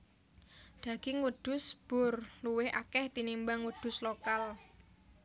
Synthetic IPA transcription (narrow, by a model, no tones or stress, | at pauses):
d̪̥a̤ɡ̥ɪŋwəd̪̥ʊ̤sb̥ʊrluwɪhʔa̰kɛht̪inimbaŋwəd̪̥ʊ̤slokal